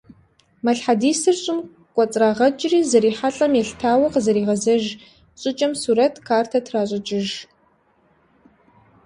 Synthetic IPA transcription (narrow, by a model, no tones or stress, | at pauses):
mɐɬħadiːsɨrɕʼɪm | qʷʼɔt͡sʼraːʁɐt͡ʃʼɪriːzɐɾiːħaɬʼɐmjɛɬtʰaːwɐqəzɐɾiːʁɐzɐʒ | ɕʼɪt͡ʃʼɐmsuːɾɐtʰkʰaːrtʰɐtʰraːɕʼɪt͡ʃʼɪʒ